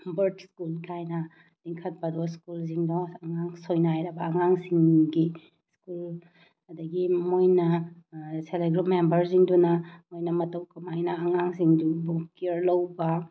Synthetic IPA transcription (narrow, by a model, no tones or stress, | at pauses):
bɐɾtskulkʰajnɐ | d̥iŋkʰɐt̚pɐdɔskuls̬iŋdɔɐŋaŋsojnajɾɐbɐːŋaŋsiŋɡi | skul | ɐdɐɡimojnɐ | seleɡɾupmembɐɾs̬iŋdunɐmojnɐmɐtɐwkɐmajnɐːŋaŋsiŋdubukiɾlɐwbɐ